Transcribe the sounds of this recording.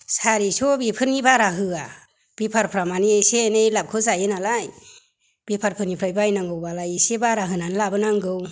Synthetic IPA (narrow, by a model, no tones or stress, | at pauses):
saɾisɔbipʰɯɾnibaɾaɦɯa | b̥ipʰaɾpʰɾamaniesenejlap̚kʰɯzajɯnalaj | b̥ipʰaɾpʰɯɾnipʰɾajbajnaŋɡɯwbalajesebaɾaɦɯnanlabɯnaŋɡɯw